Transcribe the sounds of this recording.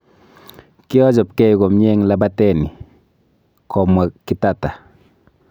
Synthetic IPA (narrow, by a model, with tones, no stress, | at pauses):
kɪ˦ɔ˦d͡ʒɔ˨p̚kɛ˦jɡɔ˨mɲɛ˦ŋla˦batɛ˨ni˨ | kʰɔ˨mwa˨kːi˦tata˨